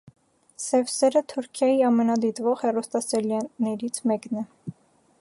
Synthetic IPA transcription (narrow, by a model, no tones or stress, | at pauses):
sɛvsɛɾət̪ʰuɾkʰjɑjiɑmɛnɑd̪it̪vɔʁhɛrɔst̪ɑsɛljɑnɛɾit͡sʰmɛknɛ